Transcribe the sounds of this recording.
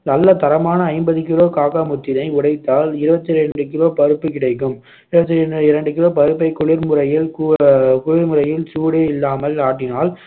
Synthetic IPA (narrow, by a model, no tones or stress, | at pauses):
nɐlːɐt̪ɐɾɐmaːnɐːɪmbɐðɯkːɪɭoːkaːkamʊt̪ːɪðɐɪʊɽɐɪt̪ːaːlɪɾɯbɐt̪ːɪɾɛɳɖɯk̬ɪɭoːpɐɾɯpːɯkɪɽɐɪkːɯm | ɪɾɯbɐt̪ːɪɪɾɐɳɖɯkɪɭoːpɐɾɯp̬ːɐɪkːʊɭɪɾmʊɾɐjɪlkukʊɭɪɾmɯɾɐjɪlsuːɽeːɪlːaːmɐlaːʈːɪnaːl